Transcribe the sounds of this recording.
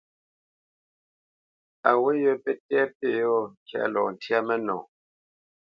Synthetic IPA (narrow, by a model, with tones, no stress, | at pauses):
a˨we˦jo˦pɛ˦tɛ˦pe˦˨jɔ˦˨ŋ˨kʰja̰˦˨lɔ̰˨n̩˨tja˦mɛ˦nɔ̰̃˨